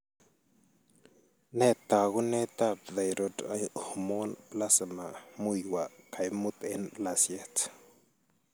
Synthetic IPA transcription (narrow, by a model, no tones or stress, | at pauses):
nɛt̪ːaɡunɛt̪ap̚ðajɾɔdajhumonplasmamujwakʰajmut̪ɛnplasjɛt̪